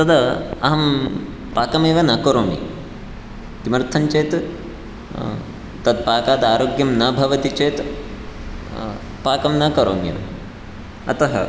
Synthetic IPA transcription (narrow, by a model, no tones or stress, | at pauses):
t̪ɐd̪ɐɐ̰ɦɐm | paːkɐmeːʋɐnɐkoɾoːmḭ | t̪imɐɾt̪ʰɐɲt͡ʃeːt̪ | t̪ɐd̪̚paːkaːd̪aːɾoːɡjɐmnɐbʱɐʋɐt̪it͡ʃeːt̪ | paːkɐmnɐkɐɾo̰ːmjɐ̰m | ɐ̰t̪ɐɦɐ̰